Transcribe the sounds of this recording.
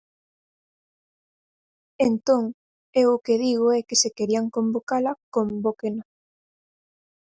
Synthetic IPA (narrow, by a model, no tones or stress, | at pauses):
ent̪oŋ | ewʊkeðiɣ̞oɛkesekeɾiaŋkombokalakombokena